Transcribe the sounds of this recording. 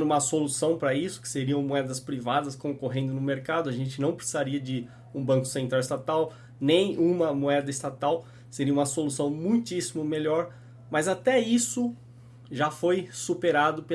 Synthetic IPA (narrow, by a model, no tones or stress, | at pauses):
ũmɐsolusɐ̃w̃pɾɐisʊ̥kɪ̥seɾiɐ̃w̃moɛd̪ɐspɾivad̪ɐskõkoɦẽnd̪ʊnʊmeɾkad̪ʊɐʒẽnt͡ʃɪnɐ̃w̃pɾɪsizaɾiɐd͡ʒɪ | ũbɐ̃ŋkʊ̥sẽnt̪ɾawɪst̪at̪aw | nẽj̃ũmɐmoɛd̪ɐɪst̪at̪aw | seɾiɐũmɐsolusɐ̃w̃mũj̃t͡ʃ̪isimʊmeʎɔɾ | mɐzat̪ɛisʊ | ʒafojsupeɾad̪ʊpe